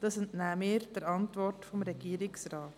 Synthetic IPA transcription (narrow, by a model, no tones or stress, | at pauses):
d̥ɑsuntnæːmɪːɾd̥əɾɑntʋɔrtfɔmɾɛɡiəɾɪksɾɑːt